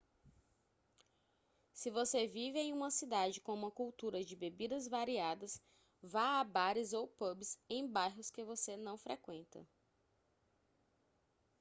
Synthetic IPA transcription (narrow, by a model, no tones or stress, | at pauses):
sɪvosevivɪẽj̃ũmɐsid̪ad͡ʒɪkõũmɐkuwt̪uɾɐd͡ʒɪbebid̪ɐzvaɾiad̪ɐs | vaabaɾɪzowpobɪsẽj̃bajɦʊskɪvosenɐ̃w̃fɾekwẽnt̪ɐ̰